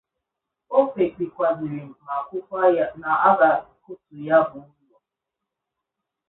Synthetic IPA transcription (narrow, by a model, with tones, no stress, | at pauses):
o˦fe˨k͡pi˨kʷa˨zɪ˨ɾɪ˨m̩˨ma˨kʷʊ˦ka˦ja˦na˨a˦ba˨kʊ˦tʊ˨ja˦bʊ˨˦bu˦a˨